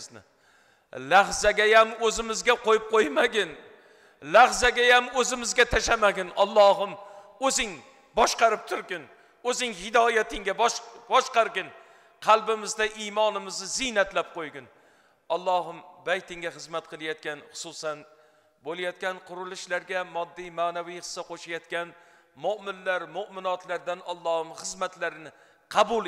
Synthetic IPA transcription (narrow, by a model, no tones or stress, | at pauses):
znɪ̰ | lahzaɡʲajamɵzɪmɪzɡʲaqʰojɪp̚qʰojmaɡʲɪn | lahzaɡʲajamɵzɪmɪzɡʲat̪ʰaʃamaɡʲɪnɒlˠːɒɦɪmɵzɪŋ | bɒʃqɑɾɪp̚t̪ʰʊɾɡʲɪn | ɵzɪŋhɪd̪ɒjat̪ʰɪŋɡʲabɒʃqɑɾɡʲɪn | qʰɑlˠbɪmɪzd̪aʔimɒnɪmɪznɪzɪnat̪lap̚qojɡʲɪn | ɒlˠːɒɦɪmbajt̪ɪŋɡʲaχɨzmat̪̚qʰɨlˠajɒt̪̚kʲanχʊ̥sʊsan | bolˠajɒt̪kʲanqʰʊɾɪlɪʃlaɾɡʲamɒd̪ːijmaːnavijχɨ̥sːaqʰoʃajɒt̪kʲan | mʊmɪnlaɾmʊʔmɪnɒt̪laɾd̪anɒlˠːɒhɪmχɨzmat̪laɾɪnɪ | qʰɑbʊl